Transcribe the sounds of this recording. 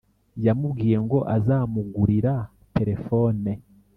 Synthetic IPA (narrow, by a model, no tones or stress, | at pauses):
jamubɡiːɾe̞ŋɡo̞ʔazaːmuɡuɾiɾa | tʰe̞ɾe̞fo̞ːne